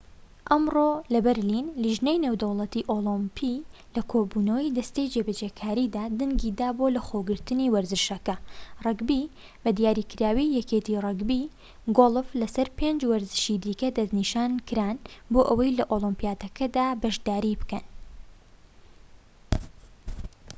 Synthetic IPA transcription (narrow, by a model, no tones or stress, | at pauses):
ʔɐmrolɐbɛɾlinliʒnejnewd̪ɐwlˠɐt̪iʔoːlˠɨmpʰilɐkʰoːbuːnɐwɐjd̪ɐst̪ejd͡ʒebɐd͡ʒeːkʰaːɾid̪aːd̪ɨŋɡiːd̪aːboːlɐxoɡɨɾt̪ɨniwɐɾzɨʃɐkɐrɨɡbi | b̥ɐd̪jaːɾikɨɾaːwijɛket̪irɨɡbi | ɡolˠɨflɐsɐɾpʰeːnd͡ʒwɐɾzɨ̥ʃid̪iːkɐd̪ɐzniːʃaːnkɨɾaːnboːʔəwɐjlɐʔolˠɨmpijaːt̪ɐkʰɐd̪aːbɐʃd̪aːɾibɨkɐn